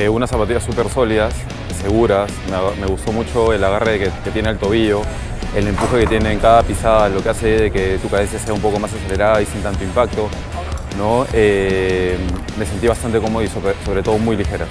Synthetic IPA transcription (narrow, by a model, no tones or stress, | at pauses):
eunasapat̪iʝasupe̞ɾso̞liðas | se̞ɣuɾasmeme̞ɣust̪o̞mut͡ʃo̞e̞laɣareðekeke̞t̪je̞nelt̪o̞β̞iʝo̞ | e̞le̞mpuxe̞ke̞t̪je̞neːŋkaðapisaðalo̞kease̞ðeke̞t̪ukaðe̞nsjase̞aumpo̞ko̞mas̬ase̞le̞ɾaðaisint̪ant̪oimpak̚t̪o̞ | no̞e | me̞se̞nt̪iβ̞ast̪ant̪e̞ko̞mo̞ðoisoso̞βɾe̞t̪o̞ð̞o̞mujlixe̞ɾa